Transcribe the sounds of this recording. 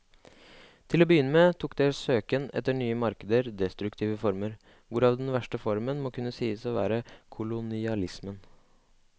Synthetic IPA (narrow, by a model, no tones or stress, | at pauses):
t̪ʰɪloːbəjʏnːəmeːt̪ʰuːkd̪esøːkənɛ̰t̪ːəɳyːəmɑɾkəd̪əɾd̪ɛst̪ɾʉkt̪ʰiːʋəfɔɾməɾ | ʋʊɾɑːʋd̪ɛnʋæʂʈəfɔɾmənmokʉnːəsiːəsɔʋæ̰ːɾəkʰʊlʊnɪɑlɪsmən